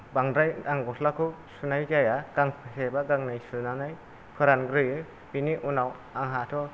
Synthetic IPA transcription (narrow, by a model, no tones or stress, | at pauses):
baŋdɾajaŋɡɔtʰlakʰɯsunajd͡ʒajaɡ̥aŋpʰɯsebaɡaŋnajsunanaj | kʰɯɾanɡɾɯjɯ | biniʔunaw | aŋɦatʰɔ